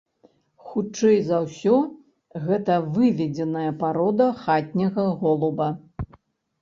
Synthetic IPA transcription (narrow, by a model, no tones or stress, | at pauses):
xut͡ʂt͡ʂɛjzɐwsʲɔ | ɣɛt̪ɐvɨvʲɛd͡zʲɛnɐjɐpaɾɔd̪ɐxat̪ʲnʲɐɣɐɣɔlˠubɐ